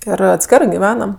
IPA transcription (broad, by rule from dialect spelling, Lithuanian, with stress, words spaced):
ˈɪr ɐtʲˈsʲkʲæːrɜ ɡʲɪˈʋʲæːnɐm